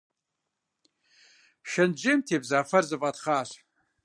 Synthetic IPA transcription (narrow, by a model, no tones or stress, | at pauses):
ʃɐnd͡ʒeːmtʰeːbzaːfɐrzɨvʼatχaːɕʷ